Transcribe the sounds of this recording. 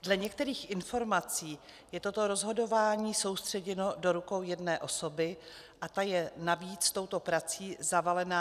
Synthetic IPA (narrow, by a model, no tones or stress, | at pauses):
dlɛɲɛkt̪ɛɾiːxʔɪnfo̞ɾmat͡siː | jɛt̪o̞t̪o̞ɾo̞zɦo̞do̞vaːɲiːso̞wst̪r̝̥ɛɟɛno̞do̞ɾuko̞wjɛdnɛːʔo̞so̞bɪ | ʔat̪ajɛnaviːt͡st̪o̞wt̪o̞pɾat͡siːzavalɛnaː